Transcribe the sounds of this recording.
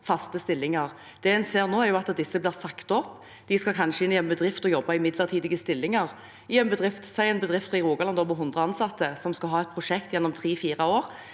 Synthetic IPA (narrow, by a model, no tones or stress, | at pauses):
fɑst̪əst̪ɪlːɪŋɑʁ | d̪̥ɛːɛnseːɾnoːæʁjʊɑt̪d̪ɪsːəbliːʁsɑkt̪ɔpː | d̪̥ɪskɑkʰɑnʂəɪnjɛmːəbəd̪ʁɪft̪ɔjɔbːɑɪmɪd̪ləʁt̪ʰiːd̪ɪɡəst̪ɪlːɪŋɑʁ | ɪjɛmːəbəd̪ʁɪft̪sæɪɛnbəd̪ʁɪft̪ɪʁuːɡɑlɑnd̪oːʋəɦʉnd̪ʁəɑnsɑt̪ːəsɔmskɑlɦɑːɛt̪̚pʰɾʊʂɛkt̪jɛnːɔmt̪ʰʁiːfiːʁɑoːɾ